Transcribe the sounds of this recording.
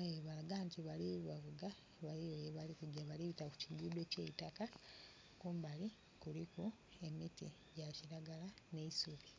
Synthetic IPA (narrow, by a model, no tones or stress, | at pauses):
ajeβaɡaːntiβaliβavuɡa | βalijojeβalikuɟaβaliβitaku̥ciɡuːdo̞ceitaka | kuːmbali | kuliku | e̞miti | ɟaciɾaɡalaneisuβi